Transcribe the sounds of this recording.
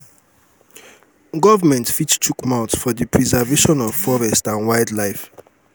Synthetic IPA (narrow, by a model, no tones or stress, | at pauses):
ɡɔvəmɛ̃ntfit͡ʃtʰukmãʊtsfɔðəpʰɹizaveʃɔ̃nɔv̥fɔɹɛstãnwajdlajf